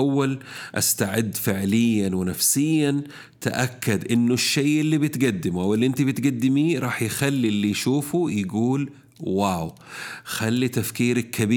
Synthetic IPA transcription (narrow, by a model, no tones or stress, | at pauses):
wːalʔa̰st̪aʕɪd̪ːfɪʕlɪjːanwɪnafsɪjːan | t̪aʔakːad̪ʔɪnːʊʃːejʔɪlːiːbɪt̪ɡad̪ːɪmuʔawɪlːiʔɪnt̪ibɪt̪ɡad̪ːɪmiɾˤɑːħjxalːilːijʃuːfujɪɡuːl | waːw | xalːit̪afkiːɾakʰːabiː